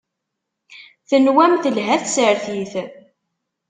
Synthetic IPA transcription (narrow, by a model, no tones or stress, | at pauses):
θənwæmθəlɦæθsəɾθiθ